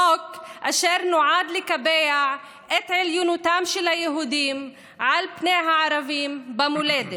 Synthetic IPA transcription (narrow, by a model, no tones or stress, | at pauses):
okʔaʃeɾnoʕad̪lekabejaʕ | ʔet̪ʕeljunut̪amʃelhajeɦud̪im | ʕalpneɦaʕaɾavimbamuled̪e